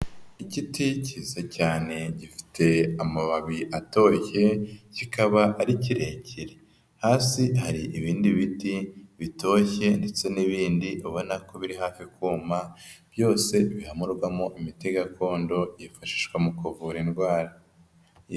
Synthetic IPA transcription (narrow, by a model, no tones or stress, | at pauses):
iciticiːzacaːne̞ɟifi̥tʰe̞amaβaβiʔato̞çe̞cikʰaβaʔːɾiciɾe̞cʰiɾe̞ | haːsihaɾiʔiβiːndiβitiβitʰo̞çe̞nde̞t͡se̞niβiːndiʔoβo̞nako̞βiɾiɦaːfikuːmab̥jo̞ːse̞βihamuɾɡwamoʔimiteɡakʰo̞ːndo̞iifaʃi̥ʃɡwamukuvuːɾinɡwaːɾa